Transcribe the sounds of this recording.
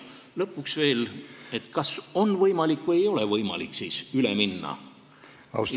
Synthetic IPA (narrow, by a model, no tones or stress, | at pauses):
lɤpːuksve̞ːle̞t̪kɑso̞nːvɤjmɑlikːˑvɤjejo̞le̞vɤjmɑ̰liksiːsylḛminːɑ̰ | ɑ̰